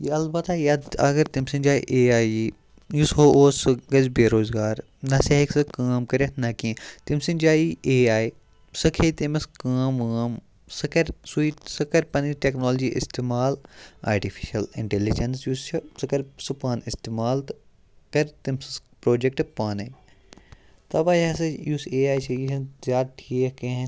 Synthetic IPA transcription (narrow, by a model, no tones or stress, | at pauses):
jiɐlbɐt̪aːjɐd̪ɐ̰ɡɐɾt̪imsind͡ʒaːḭʔeːaːi | jusɦoʔoːsɨɡɐzbeːɾoːzɡaːɾ | nɐsɐɦiksɨkaːmkɐɾet̪ʰnɐkĩt̪imsind͡ʒaːiʔeːaːi | sɨkʰet̪imɐskaːmaːm | sɐkɐɾsuisɐkɐɾpɐniʈeknoːld͡ʒiːʔḭst̪eːmaːla̰ːɾʈifʰi̥ʃɐlɪ̰ɳʈelid͡ʒɐnsjuːst͡ʃʰɐsɐkɐɾsɨpaːnist̪emaːlt̪ | kɐɾt̪imsispɾoːd͡ʒekʈpaːnɐ | t̪ɐbaːjɐsɐjuːseːaːjt͡ʃʰɐjiɦzjaːd̪̚ʈʰikɐ̃ɦ